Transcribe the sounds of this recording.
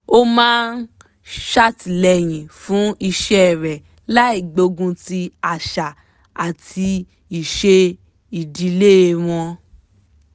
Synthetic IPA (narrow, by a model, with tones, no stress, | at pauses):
o˦mãː˦n˦ | ʃa˦ti˨lɛ˨j̃ĩ˨fũ˨˦i˧ʃɛ˦˨ɾɛ˨ | la˦i˦˨ɡ͡bo˧ɡũ˧ti˧a˨ʃa˨ | a˨tʰi˧ | i˨ʃe˧ | i˨di˨˧˦le˦e˧w̃ɔ̃˧